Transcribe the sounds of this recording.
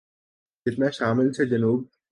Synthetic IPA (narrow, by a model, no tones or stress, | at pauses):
et̪naʃaːmilt͡ɕʰed͡ʑenub̚